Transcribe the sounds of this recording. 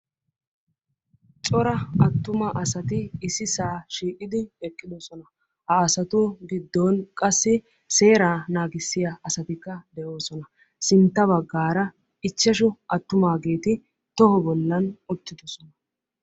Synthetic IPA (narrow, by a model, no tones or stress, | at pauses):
t͡sʼɔɾɐɐt̪ːʊmɐʔɐsɐt̪ɪːsɪsaːʃiːkʼɪd̪ɪɛkʼːɪd̪ɔsɔnɐ | hɐːsɐt̪ʊɡɪd̪ːoːnkʼɐsːɪ | se̞ːɾaːnaːɡɪsːɪjaɐsɐt̪ɪkːɐd̪ɛʔo̞ːsɔnɐ | sɪnt̪ːɐβɐɡːaːɾɐ | ɪt͡ʃːɛʃ̬ʊʔɐt̪ːʊmaːɡe̞ːt̪ɪ | t̪ɔhɔbɔlːɐnʊt̪ːɪd̪ɔsɔnɐ